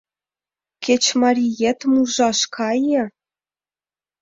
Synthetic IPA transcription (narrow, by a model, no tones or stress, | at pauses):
kʲĕt͡ɕmɑɾʲijet̪muʐɑʂkʰɑjɤ̆